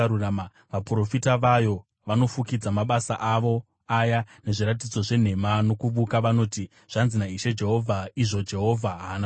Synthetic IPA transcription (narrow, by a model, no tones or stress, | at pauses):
uama | ʋapuro̞fitaʋajo̞ | ʋano̞fukid͡zamaɓasaʔaʋo̞ | ajane̞ʐiɾat̬id͡zo̞ʐe̞n̤e̞mano̞kuɓukaʋano̞ːti | ʐ̥anzinaiʃe̞d͡ʒe̞ɦo̞vʱaiʐo̞d͡ʒe̞ɦo̞vʱaɦana